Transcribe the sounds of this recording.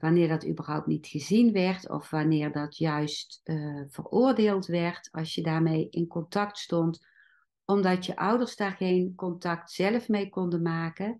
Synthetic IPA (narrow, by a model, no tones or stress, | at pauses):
ʋanɪːrdɔty̰bərɦɔwp̚tnitxəzinʋɛrtʰɔ̰fʋanɪːrdɔtʰjœɥstv̥ə̰rʊːrdeːlˠtʋɛrtɑlˠsjədaːrmejɪnkɔntɑk̚tstɔnt | ɔmdɑtjəʔʌwdərsdaːrɣejnkɔntɑktsɛləfmejkɔndənmaːkə